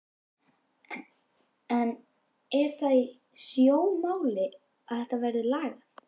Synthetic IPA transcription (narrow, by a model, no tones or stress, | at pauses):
ɛn | ɛɾ̥θaj | sjoːwmaːwlɪ | aðθɛht̪avɛɾðɪlaːɣa